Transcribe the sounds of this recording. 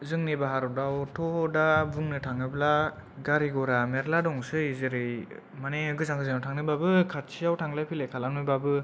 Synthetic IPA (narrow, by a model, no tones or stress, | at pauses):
zɯŋnibaɦaɾɔdawtʰɔdabuŋnɯtʰaŋɯbla | ɡaɾiɡɔɾameɾladɔŋsɯizɯɾɯj | maneɯɡɯzaŋɡɯzɯŋawtʰaŋnɯbabɯkʰat̚sʰijawtʰaŋlajpʰilejkʰalanujbabɯ